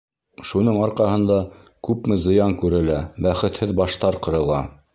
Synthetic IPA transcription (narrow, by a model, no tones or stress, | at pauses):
ʃunɤɴɑɾqɑɦɤ̆nd̪ɑ | kʉpmɘzɤ̆jɑŋkʉɾɘ̆læbæχɘ̆t̪hɘðbɑʃt̪ɑɾqɤ̆ɾɤ̆lˠɑ